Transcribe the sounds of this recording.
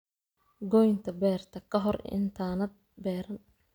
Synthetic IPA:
ɡɔjnt̪ʰɐbɛːrt̪ʰɐkʰɐɦɔrɪ̰nt̪ʰaːnɐd̪̚ | bɛːɾɐn

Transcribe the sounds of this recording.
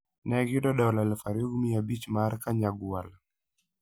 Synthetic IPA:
nɛɡidɔɗɔlalfaɾiɡmiabit͡ʃmaɾkaɲaɡual

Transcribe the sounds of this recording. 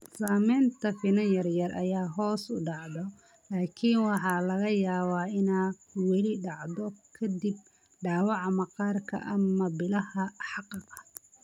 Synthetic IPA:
saːmɛːnt̪ʰɐfɪnɐnjɐrjɐrʔɐjaːɦɔːsʊɖɑʕðɔ | laːkʰɪnwɑħɑlɐɣɐjaːβaːɪnaː | wɛlɪɖɑʕðɔkʰɐd̪ɪb | ɖaːwɑʕmɐqɑːrkʰɐ̰ʔɐmɐbɪlɐhɐħɑqɑɣɐ

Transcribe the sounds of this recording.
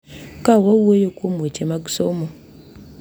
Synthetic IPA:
kawowojokomet͡ʃemaɡusomo

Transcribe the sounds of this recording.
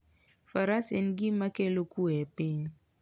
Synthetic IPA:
faɾasɛnɡimakelokuɛpɪɲ

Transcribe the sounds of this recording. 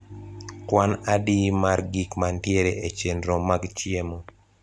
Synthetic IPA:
kwanadimarɡikmantjeɾeet͡ʃendɾomaɡt͡ʃjemo

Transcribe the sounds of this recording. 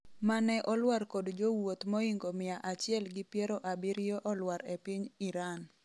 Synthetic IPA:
manɛʔɔlwarkodd͡ʒowot̪mɔiŋɡomɪaʔat͡ʃɪɛlɡɪpjɛɾoʔabɪɾjoʔɔlwaɾepiɲiɾan

